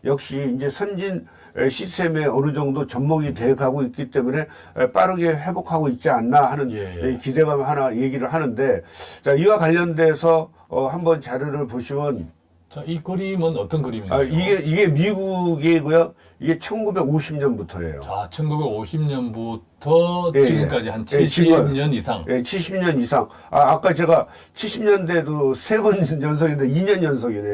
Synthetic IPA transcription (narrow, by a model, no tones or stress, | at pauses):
jʌk̚ɕ͈iːnd͡ʑe̞sʰʌnd͡ʑin | eɕʰitʰe̞me̞ʌnɯd͡ʑʌŋdot͡ɕʌmmʌɡite̞ekʰaɡoik͈it͈e̞mune̞ | p͈aɾɯɡe̞ɸe̞bokʰaɡoit̚t͡ɕ͈ianːaɦanɯnekide̞ɡamɦanaje̞ɡiɾɯɭɦanɯnde̞t͡ɕaiwakwaʎːʌnde̞sʰʌː | hambʌnt͡ɕaɾjoɾɯɭpoɕʰimjʌn | t͡ɕaikɯɾimɯnʌt͈ʌnkɯɾimiaiɡeiɡe̞miɡuɡeiɡojo | iɡe̞t͡ɕʰʌnɡube̞ɡoɕʰimɲʌnbutʰʌ̰ḛjo̰at͡ɕʰʌnɡubeɡoɕʰimɲʌnbutʰʌjeiɡɯmk͈ad͡ʑihant͡ɕʰeɕt͡ɕʰiʌɲʌnisʰaŋje̞t͡ɕʰiɭɕʰimɲʌnisʰaŋ | a̰ːk͈at͡ɕe̞ɡa | t͡ɕʰiɭɕʰimɲʌnde̞dosʰe̞bʌnjʌns̬ʰʌɡindeiɲʌnʌnsʰʌɡine